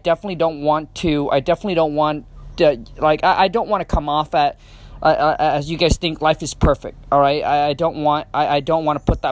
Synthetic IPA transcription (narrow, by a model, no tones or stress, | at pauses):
aɪdɛfənətˡlidõʊ̃nʔ̚wɑ̃ntʰʉa̰ɪdɛfənətˡliɾõʊ̃nʔ̚wɑ̃nʌlaɪkaɪʔaɪdõʊ̃nʔwɑ̃nɨkʰʌ̃mɔfɨt̚ | ʔʌʔʌʔɨzjɨɡaɪz̥θɪ̃ŋklaɪfɨz̥pʰɜ˞fɪ̰k̚t̚ɔlˠɹaɪt̚a̰ɪaɪdõʊ̃nʔ̚wɑ̃ntaɪʔaɪdõʊ̃nʔ̚wɑ̃ñəpʰʊt̪̚ðə